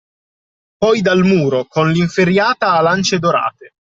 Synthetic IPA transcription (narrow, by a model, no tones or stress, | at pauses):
pɔjd̪almuːɾokonliɱfeɾjaːt̪aːlant͡ʃed̪oɾa̰ːt̪e